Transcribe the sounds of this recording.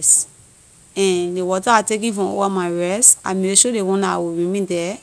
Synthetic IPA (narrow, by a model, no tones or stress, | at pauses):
s | ɛ̃nlewɔtaatek̬ĩfɹɔ̃mo̰wamaɪɹɛsta̰mĩɾeʃodewɔ̃nawoɹĩmĩdɛ